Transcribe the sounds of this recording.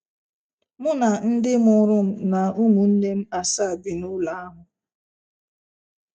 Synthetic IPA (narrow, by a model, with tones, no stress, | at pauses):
mʊ˦na˨n̩˦dɪ˦mʊ˨ɾʊ˦m̩˦˨na˨u˦mu˨n̩˦ne˦m̩˦a˨sa˦˨bi˨nʊ˦la˨a˦ɦʊ˨